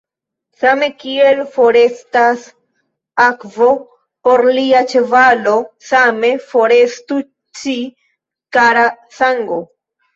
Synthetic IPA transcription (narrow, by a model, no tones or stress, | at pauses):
same̞kie̞lfo̞ɾe̞stas | akvo̞ | po̞ɾliat͡ʃe̞valo̞same̞fo̞ɾe̞stu | t͡ʃi | kaɾa | saŋɡo